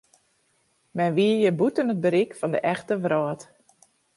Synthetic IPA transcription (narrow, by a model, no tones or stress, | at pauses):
mɛnʋiəjəbutənət̚bəɾikfɔndə̰ʔɛxtəʋrɔːt